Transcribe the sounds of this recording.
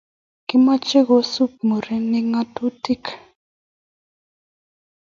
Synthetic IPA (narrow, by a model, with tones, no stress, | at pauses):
kɪ˦ma˦t͡ʃe˦ɣo˨˦su˦p̚mo˨ɾi˦nɪ˦ŋa˦tu˦ti˦˨k